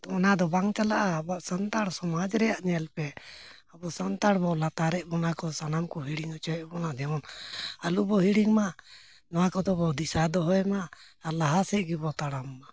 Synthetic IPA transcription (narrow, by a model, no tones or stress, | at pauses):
t̪ɔɔnad̪ɔbaŋt͡ʃalaʔaːbaʔsənt̪aɽsɔmad͡ʒɾɛjaʔnɛalpɛ | abɔsənt̪aɽbɔwlat̪aɾɛʔbɔnakɔsanamkɔɦiɽiŋɔt͡ʃɔɛʔbɔnad̪ɛɔnalubɔɦiɽiŋma | nɔwakɔd̪ɔbɔwd̪isad̪ɔɦɔjmaː | laɦasɛʔɡibɔt̪aɽamːa